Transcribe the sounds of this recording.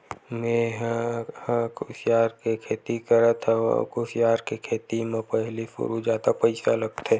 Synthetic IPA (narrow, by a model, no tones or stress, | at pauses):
meɦ | kʊsjaːɾkekʰeːt̪ikəɾət̪kʊsjaːɾkekʰeːt̪imãpəɦlifʊ̰ɾud͡ʒaːd̪apəɪsaləɡ̚t̪ɛː